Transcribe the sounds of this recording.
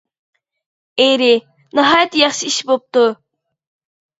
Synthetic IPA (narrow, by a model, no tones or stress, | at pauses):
ejɾɪ | nɨɦɑːjɛt̪ːjɑχʃiiʃbop̚t̪u